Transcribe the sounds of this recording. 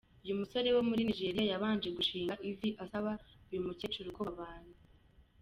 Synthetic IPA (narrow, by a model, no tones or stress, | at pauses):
ujumuso̞ɾe̞wo̞muɾiniʒe̞ɾijajaβaːnd͡ʒe̞ɡuʃiːŋɡaʔiviʔasaβaujumucet͡ʃuɾukoβaβaːn̥u